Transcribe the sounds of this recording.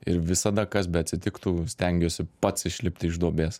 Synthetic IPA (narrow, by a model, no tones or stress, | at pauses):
ɪɾʋʲɪsɐd̪ɐkɐsbʲɛɐt̪ʲsʲɪt̪ʲɪkt̪uːsʲt̪ʲɛŋʲɡʲoːsʲɪpɐt̪sɪʃʲlʲɪp̚ʲt̪ʲɪɪʒd̪uɔbʲeːs